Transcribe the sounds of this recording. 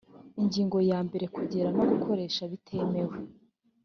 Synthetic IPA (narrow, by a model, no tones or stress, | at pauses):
iɲɟiːŋɡo̞jaːmbe̞ɾe̞kuɟeɾanoɡukʰo̞ɾe̞ːʃaβitʰe̞me̞we